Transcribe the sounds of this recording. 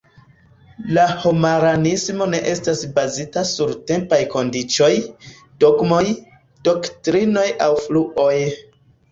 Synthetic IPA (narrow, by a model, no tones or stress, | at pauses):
laho̞maɾanismo̞ne̞ʔe̞stasbazitasuɾte̞mpajko̞ndit͡ʃo̞j | d̥o̞ɡmo̞j | d̥o̞ktɾino̞jawfluʔo̞j